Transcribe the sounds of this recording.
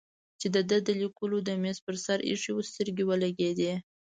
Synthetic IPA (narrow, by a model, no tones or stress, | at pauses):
t͡ʃed̪əd̪əd̪əlikulod̪əmes̚pəɾsaɾḭʂiwəst̪əɾɡʲewəlaɡed̪e